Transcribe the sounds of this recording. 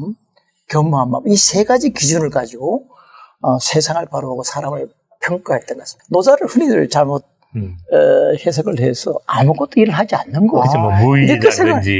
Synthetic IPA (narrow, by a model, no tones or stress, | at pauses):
m | kjʌmːuɦanbabisʰe̞ɡad͡ʑikid͡ʑunɯɭkad͡ʑiɡo | ʌsʰe̞sʰaŋɯɭpaɾɯaɡosʰaɾamɯɭ | pʰjʌŋk͈aɦeɭt͈enɡasi̥anosaɾɯɭɸɯninɯɭt͡ɕaɭmot̚ | hes̬ʰʌɡɯɭɦesʰʌ̰amuɡʌt͈oiɾɯɭɦad͡ʑianːɯnɡʌomuiikʰːesʰeŋad͡ʑi